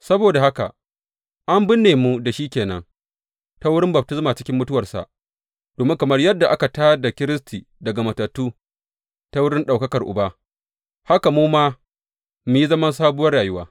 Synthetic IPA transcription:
sɐ˦boː˨da˨ha˦ka̰˨ | ʔa˦mbɪ˦nːeː˨mu˦da˨ʃiː˦kʲeː˨nɐ̰˦ŋ | ta˦wʊ˦ɽɪ˦mbɐ˨b̚tɪ˦smaː˨t͡ʃɪ˦kʲɪ˦mːʊ˦tʊ˦wɐ˨rsa̰˨ʔ | d̥oː˨mɪ˦ŋkɐ˨mɐ˦rjɐ˦dːa˨ʔa˦ka˨taː˦da˨kʲɪ˦ɾɪ˦sti˨ | dɐ˨ɡa˨mɐ˨tɐ˨tːuː˦ | ta˦wʊ˦ɽɪ˦nɗa˨wkɐ˦kɐ˨rʔʊ̰˨ba˦ | ha˦ka˨muː˦maː˦ | mu˨ji˦zɐ˦mɐ˦nsaː˦bʊ˦wɐ˦rɽaː˨jʊ˦waː˦

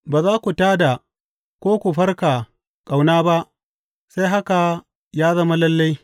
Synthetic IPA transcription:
baː˨zaː˦kʷu˨taː˦da˨ | kʷoː˦kʷu˨ɸɐ˦rka˨ | kʼa˨wnaː˦ba˦ʔ | sa˦jɦa˦ka˨ | jaː˦zɐ˦ma˦lɐ˦lːa˦j

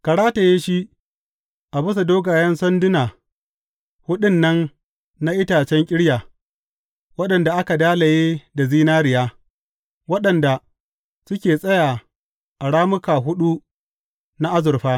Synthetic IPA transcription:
kɐ˨ɽaː˦ta˨jeː˦ʃi˦ | ʔa˨bʊ˦s̬a˨doː˦ɡaː˨jɐ˦nsɔ˦ndɪ˦naː˨ | hʊ˦ɗɪ˦nːɐ˦n | na˦ʔɪ˦taː˨t͡ʃɛ˦ŋkʲʼɪ˦ɽjaː˨ | wɐ˦ɗɐ˨nda˨ʔa˦ka˨daː˦la˨jeː˦da˨ziː˦naː˦ɾɪ˨jaː˦ | wɐ˦ɗɐ˨nda˨ | sʊ˦kʲeː˨sʼɐ˦jaː˨ | ʔa˨ɽaː˦mʊ˦kaː˨ɦʊ˦ɗu˦ | na˦ʔa˦zʊ˨rɸaː˦

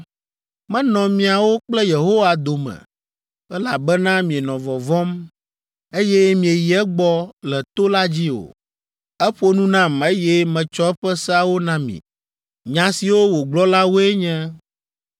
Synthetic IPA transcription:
mɛ̃˦nɔ̃˨mĩ˨a˨wo˦k͡plɛ˦je˨ɦo˦wa˨d̪o˨mɛ̰̃˨ | ɛ˦la˨bɛ˦nã˦mĩ˨e˨nɔ̃˨vɔ˨vɔ̃˦m | e˦jɛ˦mĩ˨e˨ji˨ɛ˦ɡ͡bɔ˦lɛ˨t̪o˦la˦d͡ʑi˦o̰˨ | ɛ˦ɸo˦nũ˦nã˦me˦jɛ˦mɛ̃˨t͡ʃɔ˦ɛ˦ɸɛ˦sa˦wo˦nã˦mḭ̃˨ | ɲã˨si˨wo˦wo˨ɡ͡blɔ˦la˦wo˦ɛ˦ɲɛ̃˦

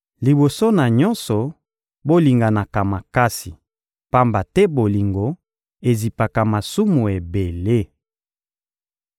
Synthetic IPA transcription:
li˨bo˨so˦na˨ɲɔ˦nsɔ˨ | bo˦li˨ŋɡa˨na˨ka˨ma˨ka˦si˨ | pa˦mba˨tɛ˦bo˨li˨ŋɡo˨ | e˨zi˨pa˨ka˨ma˨su˦mu˨e˨be˨le˦

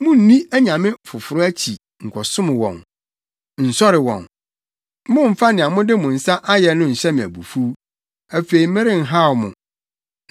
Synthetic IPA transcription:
mʊ̃˦n̩˨˦nĩ˦æ˦ɲã˨mɪ̃˦fʊ˨fʊ˨ɾʊ˦æ˦t͡ɕʰi˨ | ŋ̩˨kʷʰɔ˨sʊ̃˦mɪ̃˨wɔ̰̃˨n | n̩˨sɔ˦ɾɪ˨wɔ̰̃˨n˦ | mʊ̃˦m̩˨fa˦nɪ̃˨a˨mʊ̃˦dɪ˦mʊ̃˨n̩˨sa˦ʔa˦jɛ˨nʊ̃˦n̩˨ɕɛ˦mɪ̃˨æ̰˨bṵ˨fu˦ | æ˨fe˨i˨˦mɪ̃˦ɾɪ̃˦˨ŋ̩˨ɦa˦˨wmʊ̰̃˨

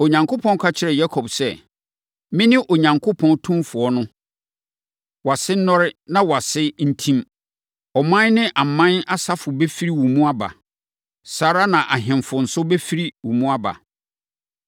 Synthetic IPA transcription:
o˨ɲã˨ŋkʰo˦pʰɔ̃˦n˦kʰa˦t͡ɕʰɪ˦ɾɛ˨ja˦kʰɔ˨bsɛ˦ | mɪ̃˦nɪ̃˦ʔo˨ɲã˨ŋkʰʊ˦pʰɔ̃˦ntʰũ˦mfʊ˨ɔ˦nʊ̃˦ | wa˨sɪ˦nɔ̃˦ɾɪ˦nã˦wa˨sɪ˦n̩˦tʰĩ˦m | ɔ˨mã˦n˦nɪ̃˦ʔa˨m˨mã˦na˦sa˦fʊ˨bɛ˦fi˦ɾi˦wũ˨mũ˦a˦ba̰˨ | saː˨ɾa˦nã˨ʔa˨ɦɪ̃˨mfʊ˨n̩˨sʊ˦bɛ˦fi˦ɾi˦wũ˨mũ˦a˦ba̰˨

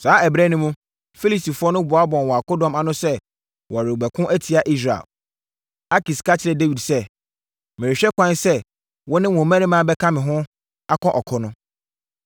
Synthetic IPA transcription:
saː˨˦ɛ˨bɾɛ˦nʊ̃˦mũ˦ | fi˦li˨sti˨fʊ˦ɔ˦nʊ̃˦bʊ˨˦a˦bɔ̃˨nwɔ˨a˨kɔ˦dɔ̃˨ma˨nʊ̃˦sɛ˦ | wɔ˨a˨ɾɪ˨ɡ͡bɛ˨kʰʊ̃˦ʔæ˦tʰi˨a˨ʔi˦s̬ɾa˨ḛ˨l | a˦ki˨skʰa˦t͡ɕʰɪ˨ɾɛ˨de˦wi˨dsɛ˦ | mɪ̃˨ɾɪ˨ɕᶣɛ˦kʷã˦nsɛ˦ | wɔ˦nɪ̃˦wɔ̃˨mæ̃˦nɪ̃˦mã˨˦bɛ˦kʰã˦mɪ̃˨ɦʊ̃˦ | a˦kʰɔ̃˦ʔɔ˨kʰɔ˦nʊ̃˦

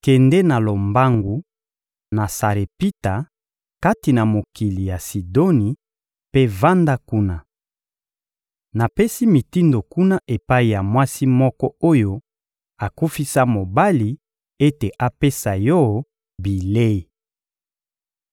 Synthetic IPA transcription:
kɛ˨ndɛ˦na˨lo˨mba˦ŋɡu˨ | na˨sa˨ʁe˨pi˦ta˨ | ka˦ti˨na˨mo˨ki˨li˨ja˨si˨do˦ni˨ | pe˦va˦nda˦ku˦na˦ | na˨pe˦si˦mi˨ti˦ndo˨ku˦na˦ʔe˨pa˦i˨ja˨mwa˦si˦mɔ˦kɔ˦o˦jo˦ | a˨ku˦fi˦sa˦mo˨ba˦li˨ | e˦te˨ʔa˦pe˦sa˨jɔ˦˨˦ | bi˨le˦i˨

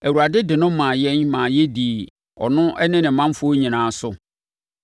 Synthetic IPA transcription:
æ˨wu˨ɾa˨dɪ˦dɪ˨nʊ̃˦mã˨jɛ˦nmãː˨jɛ˦di˨ | ɔ̰˨nʊ̃˦ʔɛ˦nɪ̃˦nɪ̃˨mã˦m˦fʊ˦o˦ɲĩ˨nãː˨˦sʊ˦

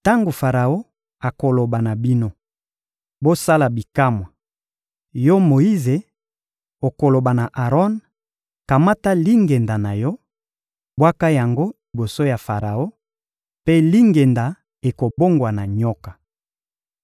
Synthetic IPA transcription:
ta˦ŋɡo˨fa˨ʁa˨o˦ | a˨ko˨lo˨ba˨na˨bi˦no˦ | bo˦sa˦la˨bi˨ka˦mwa˨ | jɔ˦mo˨i˦ze˨ | o˨ko˨lo˨ba˨na˨ʔa˨ʁɔ˦n | ka˨ma˦ta˦li˦ŋɡe˨nda˨na˨jɔ˦ | bwa˦ka˦ja˨ŋɡo˦li˨bo˨so˦ja˨fa˨ʁa˨o˦ | pe˦li˦ŋɡe˨nda˨ | e˨ko˨bo˦ŋɡwa˨na˨ɲɔ˦kḁ˨

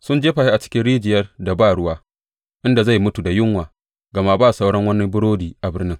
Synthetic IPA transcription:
sʊ˦nd͡ʒeː˦ɸa˨ɸi˦ʔa˨t͡ʃɪ̥˦kʲɪ˦nɽiː˦d͡ʒɪ˨jɐ˦rda˨baː˦˨ɽʊ˦waː˦ | ʔɪ˦nda˨za˦˨jmʊ˦tu˨da˨jʊ˦ŋwaː˨ | ɡɐ˨ma˦˨baː˦˨sa˦wɽɐ˦ŋwɐ˦nːi˦bʊ˦ɽoː˦diː˨ʔa˨bɪ˦rnɪ˦ŋ

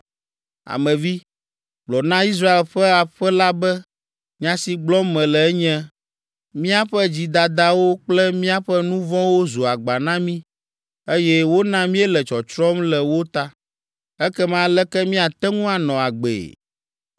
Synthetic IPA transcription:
a̰˨mɛ̃˨vi˦ | blɔ˨nã˦i˦s̬ɾa˦e˨lɸɛ˦a˨ɸɛ˦la˦bɛ˦ | ɲã˦si˨ɡ͡blɔ˦mɛ̃˨lɛ˨ɛ˦ɲɛ̃˦ | mĩ˦a˦ɸɛ˦d͡ʑi˨d̪a˨d̪a˦wo˦k͡plɛ˦mĩ˦a˦ɸɛ˦nũ˦vɔ̃˦wo˦zo˨a˨ɡ͡ba˨nã˦mĩ˦ | e˦jɛ˦wo˦nã˦mĩ˦ɛ˦lɛ˨t͡ʃɔ˨t͡ʃɾɔ˦mlɛ˨wo˦t̪a˦ | ɛ˦kɛ˦mã˨˦lɛ˦kɛ˦mĩ˦a˨t̪ɛ˦ŋũ˦a˨nɔ̃˨a˨ɡ͡bḛ˨

